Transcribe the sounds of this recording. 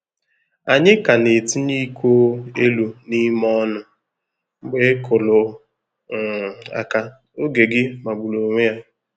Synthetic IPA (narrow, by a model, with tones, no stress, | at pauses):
a˨ɲɪ˦ka˨ne˨ti˦ni˦kʷo˦e˦lu˨ni˦mɔ˦nʊ˨ | ŋ͡m̩˦ɡ͡be˦kʰʊ˨lʊ˨ | a̰˨ka˦ | o˦ɡe˨ɡɪ˦ma˨ɡ͡bu˨lo˨ŋʷe˦ja˦